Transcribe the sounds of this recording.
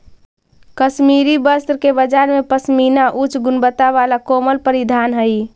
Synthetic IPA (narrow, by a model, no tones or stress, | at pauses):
kəsmiɾibəst̪ɾkebəd͡ʒaɾmepəsminaʔut͡ʃɡunbət̪aʋalakoməlpəɾid̪ʱanɦəj